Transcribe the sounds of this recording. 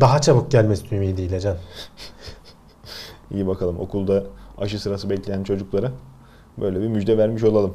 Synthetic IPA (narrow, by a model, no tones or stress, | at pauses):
d̪aɦat͡ʃʰabɯk̚ɟælʲmɛst̪ʰymid̪ijlʲɛd͡ʒan | ḭjibakʰalˠɯmʔo̞̰kʰulˠd̪aaʃɯsɯɾasɯbɛclʲejænt͡ʃʰo̞d͡ʒuklˠaɾɯ | bø̞jlʲɛbiɾmyd͡ʒd̪ɛvæɾmiʃo̞lˠalˠɯm